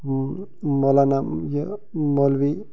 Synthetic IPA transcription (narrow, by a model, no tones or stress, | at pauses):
mɔlanajəmɔlbi